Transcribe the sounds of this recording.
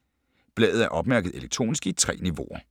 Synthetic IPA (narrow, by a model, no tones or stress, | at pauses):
b̥lɛ̰ːðð̩ˠæɐʔɒ̽b̥mæɐɡ̥əð̞̩ˠe̝leɡ̥̚t͡sʰʁo̝̰ːnisɡ̥it͡sʰʁɛ̰ːniʋo̝̰ɐ